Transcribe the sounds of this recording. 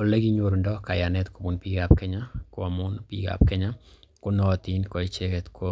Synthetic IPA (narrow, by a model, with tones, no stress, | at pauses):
o˨le˦ɡi˦ɲo˨ɾu˨ndɔ˦ka˨ja˨nɛ˦t̪ko˨bu˨npi˦ɡapkɛ˦ɲa˦kʊ˨mʊ˦npḭ˦ɡa̰˨p̚kɛ˦ɲa˦ | kʊ˦nɔ˦˨t̪i˦nkɔ˨i˦t͡ʃɛ˦kɛ˦t̪ko˦